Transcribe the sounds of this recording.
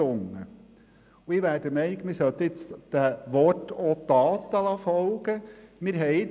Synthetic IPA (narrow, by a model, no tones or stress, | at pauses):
ʊŋːə | uɪʋæːɾd̥əmɛɪnɪɡmɪɾsœt̪ːɪt͡sd̪̥æʋɔtot̪ɑːt̪ːəlɑfɔlɡ̥əmɪɾɦɛɪ